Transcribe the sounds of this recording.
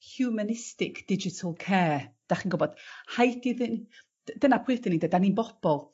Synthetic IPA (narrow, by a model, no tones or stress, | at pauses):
hjumənɪstɪkʰd̥ɪd͡ʒɪtʰəlˠkʰɛːd̥aχiːnɡʊbɔd̥hajdiðɪn | d̥ənapʰʊɨtənidədaninbɔb̥ɔlˠ